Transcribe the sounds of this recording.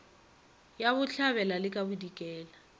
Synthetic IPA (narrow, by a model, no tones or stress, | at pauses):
jaβʊɬʰaβɛlalɪkʼabudikʼɛːla